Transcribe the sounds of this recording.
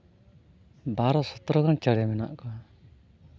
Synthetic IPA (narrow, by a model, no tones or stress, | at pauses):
baɾɔsɔt̪ɾɔɡant͡ʃaɽɛmɛna̰ʔkɔa